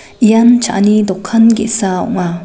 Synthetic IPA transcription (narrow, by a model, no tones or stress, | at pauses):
ʔijant͡ʃʰa̰ʔnid̪ɔkʰːanɡɛ̰ʔsaɔ̰ŋa